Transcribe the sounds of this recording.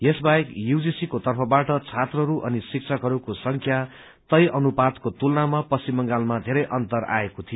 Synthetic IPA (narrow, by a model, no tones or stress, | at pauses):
jesbaekjuwd͡zisikot̪ʌrpʰʌbaʈʌt͡sʰat̪rʌɦɾuʔʌnisik̚t͡sʰʌkɦʌɾukosʌŋkʰja | t̪ʌjʔʌnupad̪kot̪ulnamapʌsimʌŋɡalmad̪ʱeɾʌjʔʌnt̪ʌɾa̰ekot̪ʰijo